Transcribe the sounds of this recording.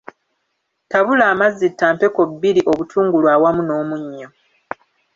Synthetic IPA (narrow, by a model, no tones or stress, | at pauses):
taβulaːmazːitːaːmpe̞ko̞bːiɾiʔo̞βutʰuːŋɡulwaːwamuno̞ːmuɲːo̞